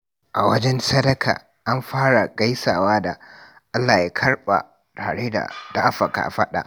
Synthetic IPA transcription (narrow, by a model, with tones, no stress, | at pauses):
ʔa˨wɐ˦d͡ʒɛ˦nsɐ˦dɐ˦kʰa̰ː˨ | ʔa˦mɸaː˦ɽa˨ɡa˦jsaː˨waː˦da˨ | ʔa˦lːaː˨ji˦kʰɐ˦ɽɓa̰˨ | taː˨ɽeː˦da̰˨da˨ʔa˦ɸɐ˨ka̰ː˨ɸɐ˦ɗa̰˨ʔ